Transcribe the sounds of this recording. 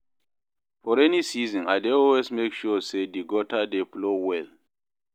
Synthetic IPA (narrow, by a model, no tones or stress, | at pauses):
fɔɹɛnisizɔ̃najdeɔlwesmekʃusediɡɔtʰadeflowɛl